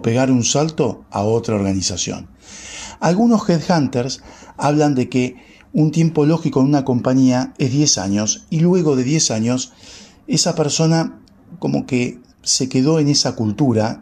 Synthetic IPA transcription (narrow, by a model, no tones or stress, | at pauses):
pe̞ɣaɾunsalt̪o̞a̰o̞t̪ɾao̞ɾɣanisasjo̞̰n | alɣuno̞sxeðxant̪eɾsaβ̞land̪e̞ke | unt̪je̞mpo̞lo̞xiko̞enunako̞mpaɲiaezðje̞sa̰ɲo̞silwe̞ɣ̞o̞ðeðje̞saɲo̞s | e̞sapeɾso̞na | ko̞mo̞̰ke | se̞ke̞ðo̞e̞ne̞sakult̪uɾa